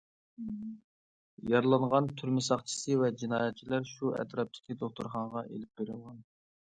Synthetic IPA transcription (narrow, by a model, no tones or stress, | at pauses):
jɑɾlˠɑɴʁɑnt̪ʰyɾmɪsɑχt͡ʃʰi̥sɨvɛd͡ʒinɑːjɛt̪̚t͡ʃʰilæɾʃuɛ̰t̪ʰɾɑp̚t̪ʰɪ̥kʲid̪oχt̪uɾχɑɴʁɑʔḛlɪp̚beɾɪlun